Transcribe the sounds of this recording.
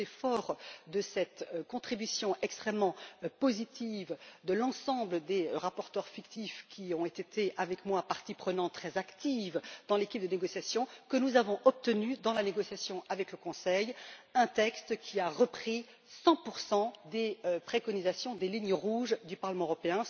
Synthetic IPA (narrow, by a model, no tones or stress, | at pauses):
efɔʁd̪əsɛt̪kɔ̃t̪χibysjɔ̃ʔɛkst̪χɛmːɑ̃pozit̪ʰivd̪əlɑ̃sɑ̃bləd̪eʁapɔʁt̪œʁfikt̪ifkʲʰiɔ̃et̪et̪eʔavɛkmwapaʁt̪ipχənɑ̃t̪ːχɛzakt̪ivd̪ɑ̃lekʲip̚d̪əneɡɔsjasjɔ̃kənuzavɔ̃ʔɔp̚t̪ənyd̪ɑ̃laneɡɔsjasjɔ̃ʔavɛkləkɔ̃sɛjɛ̃t̪ɛkst̪kʲʰiaʁəpχi | sɑ̃puʁsɑ̃d̪eøpχekɔnizasjɔ̃d̪eliɲəʁuʒd̪ypaʁləmɑ̃øʁɔpeɛ̃